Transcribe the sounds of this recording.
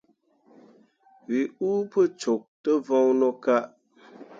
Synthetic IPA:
vi˨uː˦pə˦t͡ʃo˨k̚tə˦vɔ˦ŋnɔ˦ka˦ʔ

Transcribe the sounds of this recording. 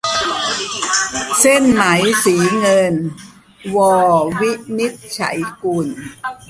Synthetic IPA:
se˥˩nma˩˦jsiː˩˦ŋɤ˧n | wɔː˧˩wi˦˥ʔni˦˥t̪̚t͡ɕʰa̰˩˦jku˧˩n

